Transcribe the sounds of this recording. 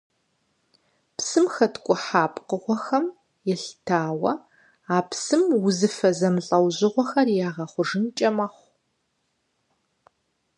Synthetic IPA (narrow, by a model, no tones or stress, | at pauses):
psɨmxɐtkʷʼʊħaːpʼqəʁʷɔxɐm | jɛɬtʰaːwɐ | aːpʰsɨmwʊzɨfɐzɐmɬʼɐwʑɪʁʷɔxɐrjaːʁɐχʷʊʐɨnt͡ʃʼɐmɐχʷ